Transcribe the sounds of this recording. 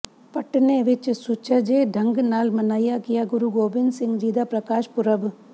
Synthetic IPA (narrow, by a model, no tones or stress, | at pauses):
pɐʈneʋɪt͡ʃsʊt͡ʃʰad͡ʒeːɖʱɐŋɡnaːlmɐnaːjakɪjaɡʊɾuːɡoːbɪnsɪ̃ŋɡd͡ʒiːd̪aːpɾɐkaːʃpʊɾəb